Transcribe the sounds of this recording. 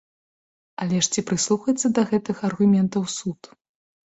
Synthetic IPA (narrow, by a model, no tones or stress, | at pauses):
ɐlʲɛʂt͡sʲipɾɨslˠuxɐjɛt̪sːɐd̪ɐɣɛt̪ɨxɐrɣumʲɛnt̪ɐwsut̪